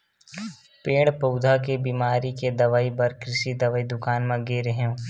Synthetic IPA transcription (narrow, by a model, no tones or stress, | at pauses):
pẽːɽpoʊd̪ʱakebiːmaːɾiked̪ɐʋaːibɐɾkɾɪʃid̪ɐʋaːid̪ʊkaːnmɐ̃ɡeɾeɦẽ